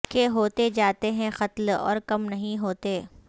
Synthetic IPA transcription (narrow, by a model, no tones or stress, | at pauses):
keɦoːt̪ed͡ʒaːt̪eɦɛ̃xɐt̪lɔ̰ːɾkɐmnɐɦĩɦoːt̪eː